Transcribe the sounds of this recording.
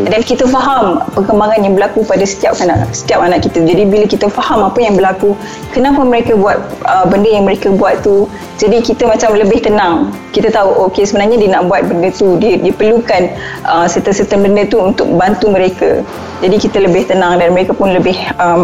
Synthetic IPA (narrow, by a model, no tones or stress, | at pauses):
dankit̪əfaɦampəkəmbaŋanjaŋbəlakupadasə̥t̪iap̚kana̰ʔsə̥t̪iap̚kanaʔkit̪ad͡ʒadibiləkit̪əfahamapajaŋbəlaku | kənapaməɾekabuat̪̚ʔəbəndəjaŋməɾekəbuat̪t̪u | d͡ʒadikit̪əmãt͡ʃamləbɪht̪ənãŋ | kit̪at̪auʔokesəbənarɲadiənaʔbuat̪̚bəndət̪udiədiəpərlukan | ʔəmsət̪əsət̪ənbəndət̪uunt̪ʊ̰k̚bant̪uməɾekə̰ | d͡ʒadikit̪ələbɪht̪ənãŋdanməɾekapʊnləbɪhəm